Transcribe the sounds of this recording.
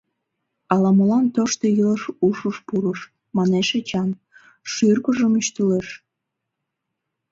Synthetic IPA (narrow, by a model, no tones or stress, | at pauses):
ɑlɑməlɑnt̪oʃt̪ojələʃuʃəʃpuɾəʃ | mɑneʃet͡ɕɑn | ʃyrkəʒəmyʃt̪yleʃ